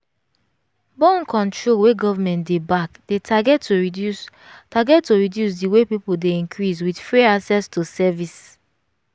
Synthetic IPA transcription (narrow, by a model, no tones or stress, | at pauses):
bɔ̃nkʰɔ̃ntɹolweɡɔvamɛ̃ntdebakd̥etʰaɡɛtːoɹidus | taɡɛtːoɹidjus̬diwepipoldeĩnkʰɹiswidfɹeasɛstosɛvis